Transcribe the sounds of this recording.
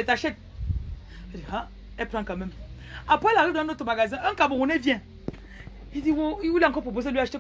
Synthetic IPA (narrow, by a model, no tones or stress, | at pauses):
etaʃet̚ | diha | epɾaŋkamem | apalakidotomaɡazioŋ̩kabowonevjɛ | idiwoiwulaŋkopobos̬elwiaʃte